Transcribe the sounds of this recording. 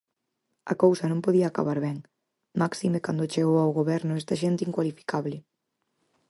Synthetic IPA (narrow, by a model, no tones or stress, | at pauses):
ɐ̰kowsɐnõmpoðiaːka̰βaɾβɛŋ | maksimekand̪ʊt͡ʃeɣowawɣoβɛɾnʊɛst̪ɐʃent̪iŋkwalifi̥kaβlɪ